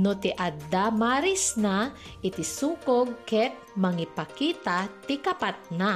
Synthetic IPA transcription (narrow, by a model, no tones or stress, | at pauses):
not̪ɪʔad̪amaɾisna | ʔɪt̪ɪsuːkoɡ̚kɛk̚mɐŋipɐkiːt̪at̪ɪkapat̪̚na